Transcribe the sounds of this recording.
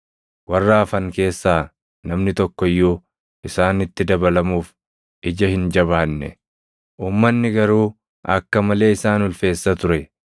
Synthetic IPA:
wɐrːaːfɐŋke̞ːsːaː | nɐmnɪt̪ɔkːɔjːuː | ʔɪsaːnɪt̪ːɪd̪ɐbɐlɐmuːf | ʔɪd͡ʒɐhɪnd͡ʒɐβaːnːɛ̰ | ʔuːmːɐnːɪɡɐɾuː | ɐkːɐmɐle̞ːɪsaːnʊlfe̞ːsːɐt̪ʊɾɛ

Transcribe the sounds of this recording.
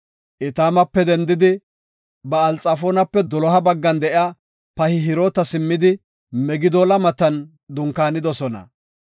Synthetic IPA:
ʔɪt̪aːmɐpːɛd̪ɛnd̪ɪd̪ɪ | bɐːlt͡sʼːɐfoːnɐpːɛd̪ɔlɔɦɐbɐɡːɐnd̪ɛʔɪaː | pɐhɪɦɪɾoːt̪ɐsɪmːɪd̪ɪ | mɛɡɪd̪oːlɐmɐt̪ːɐn | d̪ʊŋkaːnɪd̪ɔsɔnɐ̰

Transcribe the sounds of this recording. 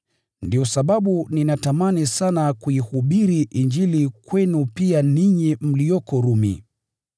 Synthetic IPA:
ndijɔsaɓaɓuninatamanisanakuihuɓiɾiʔiɲd͡ʒilikwɛnupianiɲim̩lijɔkɔɾumḭ

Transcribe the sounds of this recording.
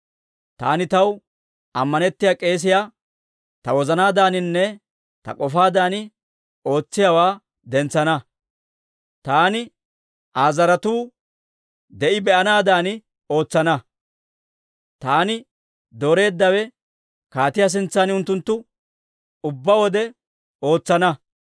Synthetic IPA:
t̪a̰ːnɪt̪ɐw | ɐmːɐnɛt̪ːɪjaːkʼe̞ːs̬ɪjaː | t̪ɐwɔzɐnaːd̪aːnɪnːɛ | t̪ɐ̰kʼɔfaːd̪aːnɪ | o̞ːt͡sːɪjawaː | d̪ɛnt͡sːɐnɐ | t̪aːnɪ | ʔaːzɐɾɐt̪uː | d̪ɛʔɪbɛʔɐnaːd̪aːnɪ | o̞ːt͡sːɐnɐ | t̪aːnɪ | d̪o̞ːɾe̞ːd̪ːɐwɛ | kaːt̪ɪjaːs̬ɪnt͡sːaːnʊnt̪ːʊnt̪ːʊ | ʊbːɐwɔd̪ɛ | o̞ːt͡sːɐnɐ

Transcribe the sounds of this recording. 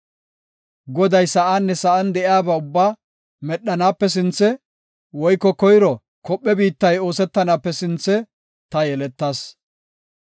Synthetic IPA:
ɡɔd̪ɐjsɐʔaːnːɛsɐʔɐnd̪ɛʔɪaːbɐʊbːaː | mɛɗːɐnaːpːɛs̬ɪnt͡sːɛ | wɔjkːɔkɔjɾɔ | kɔpʼːɛbiːt̪ːɐjo̞ːsɛt̪ːɐnaːpːɛsɪnt͡sːɛ | t̪ɐjɛlɛt̪ːɐːs

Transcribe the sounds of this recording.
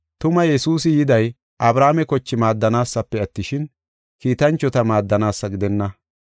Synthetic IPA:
t̪ʊmɐjɛsuːs̬ɪjɪd̪ɐj | ʔɐbɾaːmɛkɔt͡ʃːɪmaːd̪ːɐnaːsːɐpːɛɐt̪ːɪʃɪn | kiːt̪ɐnt͡ʃːɔt̪ɐmaːd̪ːɐnaːsːɐɡɪd̪ɛnːɐ

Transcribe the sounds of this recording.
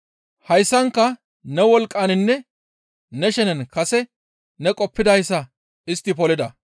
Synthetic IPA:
hɐjsːɐŋkːɐ | nɛwɔlkʼːaːnɪnːɛ | nɛʃɛnɛnkɐsɛ | nɛkʼɔpːɪd̪ɐjsːɐ | ɪst̪ːɪpɔlɪd̪ɐ

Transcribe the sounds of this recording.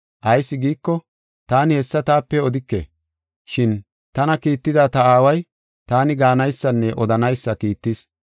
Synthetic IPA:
ʔɐjsːɪɡiːkːɔ | t̪aːnɪhɛsːɐt̪aːpːɛɔd̪ɪkːḛ | ʃɪn | t̪ɐnɐkiːt̪ːɪd̪at̪ɐaːwɐj | t̪aːnɪɡaːnɐjsːɐnːɛʔɔd̪ɐnɐjsːɐkiːt̪ːɪs

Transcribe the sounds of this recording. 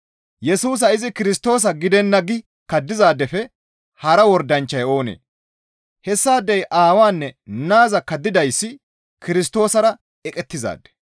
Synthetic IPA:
jɛsuːs̬ɐɪzɪkɪɾɪst̪o̞ːs̬ɐɡɪd̪ɛnːɐɡɪ | kɐd̪ːɪzaːd̪ːɛfɛ | hɐɾɐwɔɾd̪ɐnt͡ʃːɐjo̞ːnḛː | hɛsːaːd̪ːɛjʔaːwaːnːɛnaːzɐkɐd̪ːɪd̪ɐjsːɪ | kɪɾɪst̪o̞ːsɐɾɐ | ɛkʼɛt̪ːɪza̰ːd̪ːɛ̥

